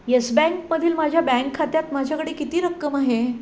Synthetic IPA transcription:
jesbɛ̃ŋkməd̪ʱiːlmad͡ʑʱjabɛ̃ŋkʰːat̪jat̪mad͡ʑʱjakəɽeiːkit̪iːɾəkːəmaɦe

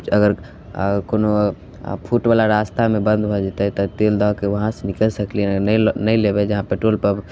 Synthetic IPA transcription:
əɡəɾ | koːno | pʰuːʈʋalaɾaːst̪amẽbə̃nd̪bʱɔd͡ʒt̪aɦɛt̪ɔt̪eːld̪ɔkeʋɐɦãsenɪkəlsəkliɛnəilebed͡ʒəɦãpeʈɾoːlpəɾ

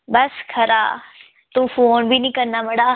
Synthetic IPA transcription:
bɐskʰɐɾa̰ː | t̪uːfoːnbʱinikɐnːamɐɽaː

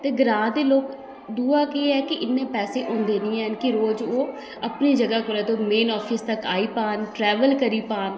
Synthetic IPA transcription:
t̪eːɡɪɾãːd̪eːloːk | d̪uːaːkiɛːkɪʔɪnːẽːpɛːseːʔʊ̃nd̪eːnĩːənkɪɾoːd͡ʒoː | əpniːd͡ʒəɡaːkoɾɛːt̪eoːmeːnɔːpʰɪst̪əkaːiːpaːnʈɾɛːʋəlkəɾiːpaːn

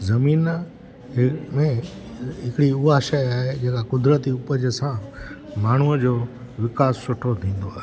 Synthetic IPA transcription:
zɐmiːn | ɦmẽɦɪkɪɽiʊɦaʃɐjaːɦed͡ʑẽːkakʊd̪ɾət̪iʊpəd͡ʑəsãmaːɳ̤uəd͡ʑoː | ʋɪkaːsːʊʈʰot̪ʰĩːn̆d̪oa̰ːɦe

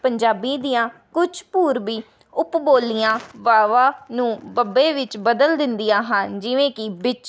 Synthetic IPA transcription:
pəɲd͡ʒaːbiːd̪ijãːkʊt͡ʃʰpuːɾbiː | ʊpboːlijãːʋaːʋaːnũːbəbẽːʋɪt͡ʃbəd̪əld̪ɪnd̪ijãːɦãːnd͡ʒɪʋẽːkɪbɪt͡ʃ

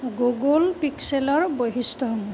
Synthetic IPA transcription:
ɡoɡolpikselɔɹboɦistɔ

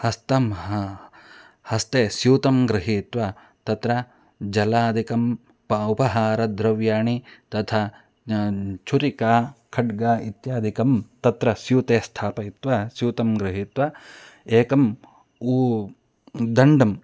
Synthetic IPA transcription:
hɐst̪ɐmɦɐ | hɐst̪eːsjuːt̪ɐmɡɾɪɦiːt̪ʋɐ | t̪ɐt̪ɾɐ | d͡ʒɐlaːd̪ʱikɐm | pɐupɐɦaːɾɐd̪ɾɐʋjaːɳit̪ɐt̪ʰaː | t͡ʃʰuɾikaːkʰɐʈɡaːit̪jaːd̪ʱikɐmt̪ɐt̪ɾɐsjuːt̪eːst̪ʰaːpɐit̪ʋɐsjuːt̪ɐmɡɾɪɦiːt̪ʋɐeːkɐm | uː | d̪ɐɳɖɐm

